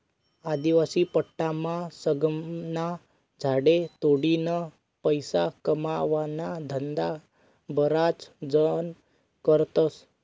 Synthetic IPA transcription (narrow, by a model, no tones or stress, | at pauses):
ad̪iʋasipəʈːamãsəɡmna | d͡zʱaɽet̪oɽinə | pəjsakəmaʋanad̪ʱənd̪a | bəɾat͡sd͡zən | kəɾt̪əs